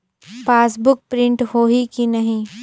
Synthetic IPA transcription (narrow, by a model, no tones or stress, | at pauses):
paːsbʊk̚pɾɪ̃ɳʈhoːɦikinɐɦĩ